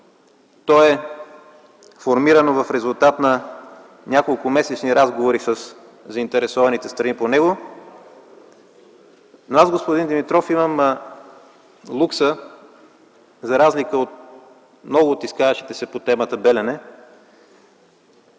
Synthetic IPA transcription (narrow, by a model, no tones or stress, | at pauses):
t̪ɔɛ | foɾmiɾənovɐfɾɛzʊlˠt̪at̪nɐ | nʲakolˠkʊmɛsɛt͡ʃniɾazɡovoɾisəs | zɐint̪ɛɾɛsɔvɐnit̪ɛst̪ɾɐniponɛɡo | noazɡospod̪ind̪ɛmit̪ɾɔfimɐm | lˠuksə | zɐɾazlikəot̪ | mnɔɡʊːt̪iskavɐʃt̪i̥t̪ɛsɛpot̪ɛmət̪əbɛlʲɛnɛ